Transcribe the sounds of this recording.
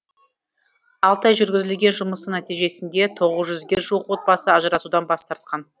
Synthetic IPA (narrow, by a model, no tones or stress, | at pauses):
ɑlˠt̪ʰɑjʒʏɾɡʲɪzɪlɡʲe̞nʒʊməsənæt̪ijʒe̞sɪnd̪e̞t̪ʰo̞ʁəzʒʏzɡʲe̞ʒuəqwo̞t̪̚bɑsəɑʒəɾɑsud̪ɑnbɑst̪ɑɾt̪̚qɑn